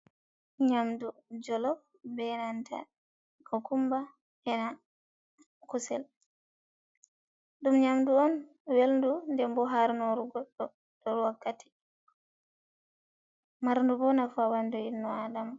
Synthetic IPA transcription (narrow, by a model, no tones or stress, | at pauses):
ɲamdud͡ʒɔlɔf | bɛnantʰa̰ | kɔkumba | ɛna | kusɛ̰l | ɗumɲamduɔn | welndundɛmbɔɦaɾnɔɾuɡɔɗɔ | d̥ɔɾwakːati̥ | maɾndubɔnafawandɔinːɔadama